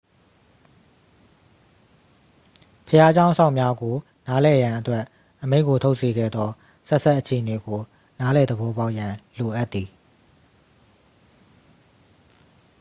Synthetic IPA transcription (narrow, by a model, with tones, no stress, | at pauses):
pʰəja˦d͡ʑã˦ʊ̃sʰã˦ʊ̃˨mja˦ɡo˨ | na˦lɛ˨jã˨ʔətwɛ˦ʔ | ʔəme˦ɪ̃ʔkːo˨tʰo˦ʊʔse˨ɡɛ̰˦˨d̪ðɔ˦ | sɛ˦ʔsa˦ʔət͡ɕʰe˨əne˨ɡo˨ | na˦lɛ˨d̪əbɔ˦ba˦ʊʔjã˨lo˨ʔa˦t̪ːi˨